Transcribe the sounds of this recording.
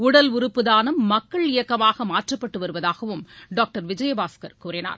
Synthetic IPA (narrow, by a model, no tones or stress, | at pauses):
ʊɽɐlʊɾɯpːɯðaːnɐmːɐkːɐɭɪjɐkːɐmaːɣɐmaːʈrɐpːɐʈːɯʋɐɾɯʋɐðaːɣɐʋɯmɖaːk̚ʈɐɾʋɪd͡ʒɐjɐbaːskɐɾkuːrɪna̰ːɾ